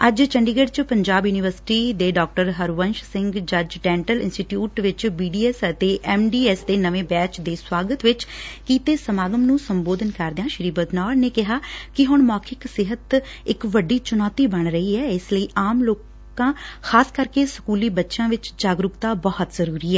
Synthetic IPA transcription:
əd͡ʒt͡ʃəɳɖiːɡəɖt͡ʃpəɲd͡ʒaːbjuːnɪʋəɾsɪ̥ʈiːd̪eːɖɔːk̚ʈəɾɦəɾʋənʃsɪ̃ŋɡd͡ʒəd͡ʒɖɛ̃ːɳʈəlɪ̰nsʈiʈjuːʈʋɪt͡ʃbiːɖiːɛːsət̪eːʔɛːmɖiːɛːsd̪eːnəʋẽːbɛːt͡ʃd̪eːswaːɡət̪ʋɪt͡ʃkiːt̪eːsəmaːɡəmnũːsəmboːd̪ənkəɾd̪eãːʃɪɾiːbəd̪nɔːɾneːkɪɦaːkɪɦʊɳmaːkʰɪksɪɦət̪ɪkʋəɖːiːt͡ʃʊnɔːt̪iːbəɳɾəiːɛːɪsləiːʔaːmloːk | ãːxʰaːskəɾkeːsə̥kuːliːbətːʃãːʋɪt͡ʃd͡ʒaːɡɾʊkt̪aːbɔːət̪zəɾuːɾiːɛː

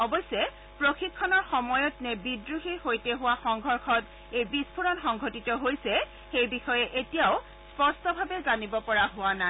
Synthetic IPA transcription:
ɔbɔjsɛ | pɹoxikʰːɔnɔɹxɔmɔjɔtnɛbidɹuxihojteɦʊwaxɔŋɡʱɔɹxʰɔt | ejbispʰuɹɔnxɔŋɡʱotitɔɦojsɛ | xejbixɔjɛʔetijaʊ | spɔstɔbʱabɛzanibɔpɔɹaɦʊwana

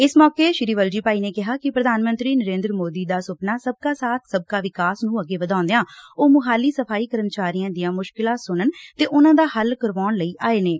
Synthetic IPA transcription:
ɪsmɔːkeːʃɪɾiːʋəld͡ʒiːpaːiːneːkɪɦaːkɪpɾəd̪ʱaːnmə̃nt̪ɾiːnəɾẽːnd̪ɾəmoːd̪iːd̪aːsʊpnaːsəb̚kaːsaːt̪ʰsəb̚kaːʋɪkaːsnũːəɡeːʋəd̪ãːnd̪eãːoːmʊɦaːliːsəpʰaːiːkəɾənt͡ʃaːɾijãːd̪ɪjãːmʊʃkɪlãːsʊnənt̪eːʔʊnãːd̪aːhəlkəɾʋaːɳləiːʔaːeːneː

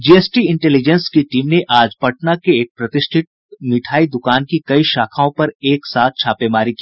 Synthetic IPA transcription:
d͡ʒiːesʈiɪ̃ɳʈɛːlɪd͡ʒɛnskiʈiːmneʔaːd͡ʒpɐʈnakeeːk̚pɾɐt̪ɪʃʈʰɪʈ̚ | miʈʰaːid̪ʊkaːnkikɐiʃaːkʰaːõpɐɾeːksaːt̪̚ʰt͡ʃʰaːpemaːɾikiː

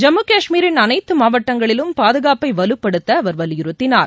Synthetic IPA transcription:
d͡ʒɐmːɯkaːʂmiːɾɪnɐnɐɪt̪ːɯmaːʋɐʈːɐŋɡɐɭɪlɯmpaːðɯɣaːpɐɪʋɐlɯpːɐɽɯt̪ːɐːʋɐɾʋɐljɪɾɯt̪ːɪnaːɾ

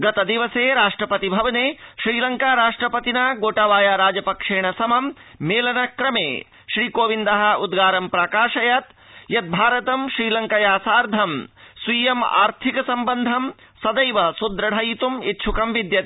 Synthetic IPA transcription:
ɡɐt̪ɐd̪iʋɐseːɾaːʂʈɾɐpɐt̪ibʱɐʋɐneːʃɾiːlɐŋkaːɾaːʂʈɾɐpɐt̪inaːɡoːʈaːʋaːjaːɾaːd͡ʒɐpɐkʂeːɳ̃ɐsɐmɐm | meːlɐnɐkɾɐmḛː | ʃɾiːkoːʋind̪ɐɦɐud̪ɡaːɾɐmpɾaːkaːʃɐjɐt̪ | jɐt̪̚bʱaːɾɐt̪ɐmʃɾiːlɐŋkɐjaːsaːɾd̪ʱɐmswiːjɐma̰ːɾt̪ʰikɐsɐmbɐnd̪ʱɐm | sɐd̪ɐjʋɐsud̪ɾɐɽɐjit̪umit̪̚t͡ʃʰukɐmʋid̪jɐt̪i

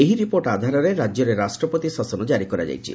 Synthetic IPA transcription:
eɦiɾipoɾʈad̪ʱaɾɔɾeɾad͡ʒjɔɾeɾasʈɾɔpot̪isasɔnɔd͡ʒaɾikɔɾa̰d͡ʒa̰jt͡ʃʰḭ

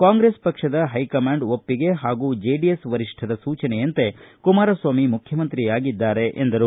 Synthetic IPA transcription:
kaːŋɡɾespɐkʂɐd̪ɐɦɐjkɐmaːɳɖopːiɡe̞ɦaːɡuːd͡ʒeːɖiesʋɐɾiʂʈʰɐd̪ɐsuːt͡ʃɐnejɐnt̪e̞kumaːɾɐsʋaːmimukʰjɐmɐnt̪ɾijaːɡid̪ːaːɾe̞ʔend̪ɐɾu

